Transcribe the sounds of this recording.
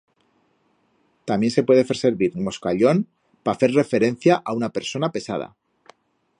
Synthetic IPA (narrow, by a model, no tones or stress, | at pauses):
t̪amje̞nse̞pwe̞ð̞efe̞ɾse̞ɾβiɾmo̞skaʎo̞n | pafe̞ɾre̞fe̞ɾe̞n̟θjaʔaunape̞ɾso̞nape̞sað̞a̰